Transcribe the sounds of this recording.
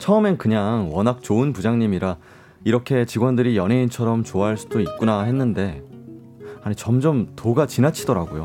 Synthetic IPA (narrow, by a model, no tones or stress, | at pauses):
t͡ɕʰʌɯmenkɯɲaŋwʌnɦak̚t͡ɕoɯnpud͡ʑaŋɲimiɾa | iɾʌkʰe̞t͡ɕiɡwʌndɯɾijʌneint͡ɕʰʌɾʌmt͡ɕoaɦɭs͈ud̥oit̚k͈unaɦe̞nːɯnde̞ | aɲit͡ɕʌmd͡ʑʌmtoɡat͡ɕinat͡ɕʰidʌɾaɡojo